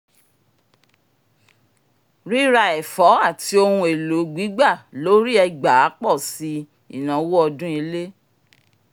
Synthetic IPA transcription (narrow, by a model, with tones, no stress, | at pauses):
ɾi˦ɾa˧ɛ˨fɔ˨˦a˦˨ti˧˦o˧hũ˧e˨lo˨˦ɡ͡bi˨˦ɡ͡ba˦˨lo˨˦ɾi˦ɛ˧ɡ͡ba˨˦k͡pɔ˦˨si˨˧˦ | ḭ˦˨nã˨˦wo˦ɔ˧dũ˦i˧le˦